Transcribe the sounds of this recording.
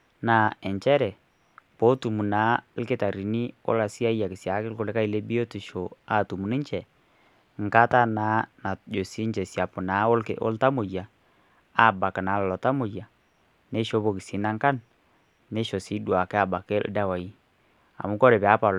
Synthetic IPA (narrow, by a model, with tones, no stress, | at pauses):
na˨ɛ˨ɲt͡ʃɛ˦ɾɛ˨ | po˨˦tu˨mu˨na˨˦lke˦ta˨ɾi˨ni˦o̰˦la˨si˦a˦ja˨ki˨sja˨˦kɪ˦lko˦˨le˦ka˦i˨le˦bi˦o˦ti˨ʃo˨a˦tu˨mu˨ni˦ɲt͡ʃɛ˨ | ŋ˨ka˦ta˦na˨˦na˨d͡ʒo˨si˦ɲt͡ʃɛ˨sja˨po˨na˨˦o̰˦lta˦mo˨ja˨ | a˦˨ba˨ka˨na˨˦lɔ˨lɔ˨ta˦mo˨ja˨ | ne˦ʃo˦βo˨ki˨si˨˦na˦ŋka˦nː | e˦ʃo˨si˨˦dwa˨kɛ˦a˨ba˨ke˦l̰da˦wa˨i˦ | a̰˨mu˦kɔ˦ɾɛ˨βɛ˨a˨˦pa˨